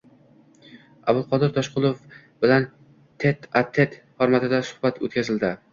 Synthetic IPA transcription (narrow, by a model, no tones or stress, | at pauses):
abʊlˠqʰɒd̪ɪɾt̪ʰɒʃqʰʊlˠof | b̥ɪlan | t̪ʰet̪at̪ʰːe̞t̪ | hɒɾmat̪ɪd̪asʊ̥hbat̪ʰo̰t̪kʰʲazɪld̪ɪ